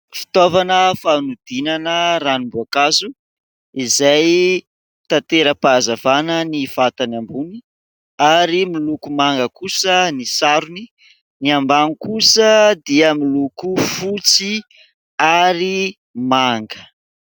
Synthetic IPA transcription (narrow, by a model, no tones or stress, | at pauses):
fi̥t̪ovanəfanud̪̥inanəranimbuakazu | izaj | t̪at̪eɾəpazavanəniv̥at̪anambuni | aɾimilukumaŋɡəkusənisaɾuni | niambanikusəd̪iəmilukufut͡si | aɾi | maŋɡə̥